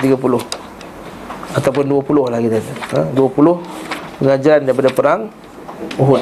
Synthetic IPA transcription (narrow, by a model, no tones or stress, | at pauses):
t̪iɡapulʊh | at̪awp̬ʊnduapulʊhlaɡit̪adiəduapulʊhpəŋad͡ʒaɾandaip̬adapəɾaŋ | uɦʊ